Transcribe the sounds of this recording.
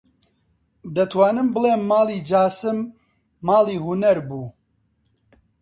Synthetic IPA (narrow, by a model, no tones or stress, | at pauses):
d̪ɐt̪ʰwaːnɨmbɨleːmːaːliːd͡ʒaːsɨmː | aːliːhunɛɾbuː